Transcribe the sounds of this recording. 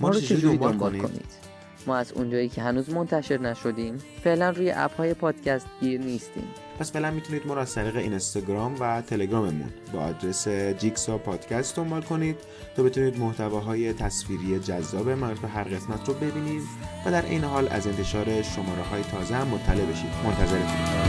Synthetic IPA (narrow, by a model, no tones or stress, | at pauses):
mɒːɾt͡ʃʰeeuid̪oimb̪mlkblnikːo̰nḭːd̪̥ | mɒːæzṵnd͡ʒɒːjiːcʰeɦænuːzmo̞nt̪ʰæʃe̞ɾnæʃo̞d̪iːmfe̞ʔlænruːjḛʔæ̰phɒːje̞pʰɒːd̪̥cʰæst̪̚ɡiːɾniːst̪ḭːm | pʰæsfe̞ʔlænmit̪ʰuniːd̪̚mɒːɾoæz̥t̪ʰæɾiːɣeinst̪ɑɡɾɒːmvæt̪ʰe̞le̞ɡɾɒːme̞mṵnbɒɒd̪ɾe̞sed͡ʒiksɒpʰɒːd̪̥cʰæst̪d̪ombɒːlkʰo̞niːd̪̥̚ | t̪ʰːɒːbe̞t̪ʰuniːd̪moht̪ævɒːɦɒːje̞t̪ʰæsfiːɾije̞d͡ʒæzːɒːbemænɾfeɦæɾɣe̞smæt̪ʰɾobe̞biːniːd̪væd̪æɾʔe̞̰jneɦɒːlæ̰ze̞nt̪ʰe̞ʃɒːɾe̞ʃo̞mɒːɾeɦɒːjet̪ʰɒːzehæmːot̪ʰːæle̞be̞ʃḭːd̪̥mo̞nt̪ʰæze̞ɾek̪u